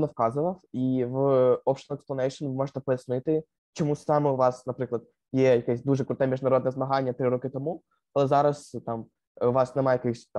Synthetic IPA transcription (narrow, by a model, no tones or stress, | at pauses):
nɔfkɑzʊʋɐwiʋɔpʃnɛksplɐnɛjʂɨnʋɪmɔʐət̪ɛpɔjɐsnɪt̪ɪ | t͡ʃɔmusɑmɪʊʋɑsnɐpɾɪklˠɐd̪ | jɛjɐkɛsʲd̪uʐɛkɾʊt̪ɛmʲiʐnɐɾɔd̪nɛzmɐɦanʲːɐt̪ɾɪɾɔkɪt̪ɔmu | ɐlˠɛzɑɾɐst̪am | ʊʋɑsnɛmajɐkɪxsʲt̪